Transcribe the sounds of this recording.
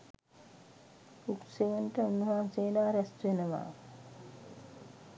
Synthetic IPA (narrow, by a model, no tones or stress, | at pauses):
uksejənʈəunuɦaːsejːlaːɾɛst̪ʋenəʋa̰ː